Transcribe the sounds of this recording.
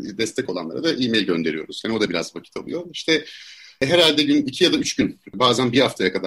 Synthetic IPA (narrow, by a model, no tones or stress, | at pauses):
d̪ɛst̪ʰɛco̞lˠanlˠa̰ɾad̪aʔijmejlʲɟø̞nd̪e̞ɾijo̞̰ɾuz̥jaːnio̞d̪abiɾa̰zvacʰi̥t̪ʰolˠṵjo̞iʃt̪ʰɛɦeɾalʲd̪ɛɟynicʰijad̪ayt͡ʃɟynbaːzænbiɾhaft̪ʰajakad̪a